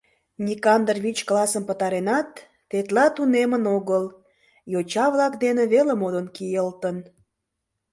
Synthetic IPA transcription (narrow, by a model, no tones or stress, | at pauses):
nʲikɑnd̪rβʲit͡ɕklɑsəmpət̪ɑɾenɑt̪ː | et̪lɑt̪unemənoɣəl | jot͡ɕɑβlɑkd̪eneβeləmod̪ənkijəlt̪ən